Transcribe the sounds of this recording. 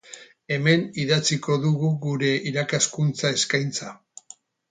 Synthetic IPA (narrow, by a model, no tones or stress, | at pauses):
e̞me̞niðat͡siko̞ðuɣuɣuɾe̞ʔiɾakaskunt͡sae̞skajnt͡sa